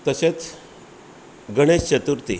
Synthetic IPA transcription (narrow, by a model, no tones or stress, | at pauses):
t̪əɕet͡s | ɡəɽ̃est͡ɕət̪uɾt̪i